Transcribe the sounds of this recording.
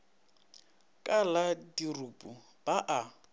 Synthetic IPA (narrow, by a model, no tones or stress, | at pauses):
kʼaladirupʼu | b̥aʔa